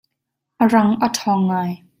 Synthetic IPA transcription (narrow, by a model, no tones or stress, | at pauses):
ʔərɐŋʔətʰɔːŋːaːj